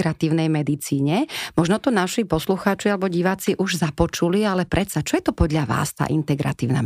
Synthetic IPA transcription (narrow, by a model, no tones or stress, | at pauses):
ɾat̪iːʊnɛjmɛd̪it͡siːɲɛmɔʒnɔt̪ɔnaʃipɔsluxaːt͡ʃialɛbɔɟiʋaːt͡siʔuʒzapɔt͡ʃulialɛpɾɛsat͡ʃɔjɛt̪ɔpɔd̪ʎaʋa̰ːst̪a̰ːʔint̪ɛɡɾa̰t̪iːʊna̰